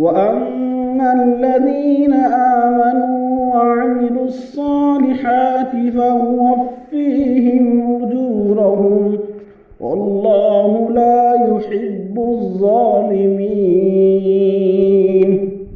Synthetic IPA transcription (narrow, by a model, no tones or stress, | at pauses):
waʔamːalːaðiːnaʔaːmanuːwaʕamɪluːɑsˤːɑːlɪħaːt̪ɪfahʊwafːiːɦɪmwʊd͡ʒ̪uːɾaɦʊm | wʔɑ̰lˤːɑːhʊlaːjʊħɪbːʊðˤːɑːlɪmiː | n